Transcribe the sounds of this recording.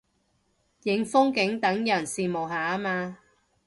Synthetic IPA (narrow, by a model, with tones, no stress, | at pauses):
jɪ˨˧ŋfʊ˥ŋkɪ˨˥ŋt̪ɐ˨˥ŋjɐ˨˩nsiː˨mo˨˩wɦaː˨˩a˥maː˧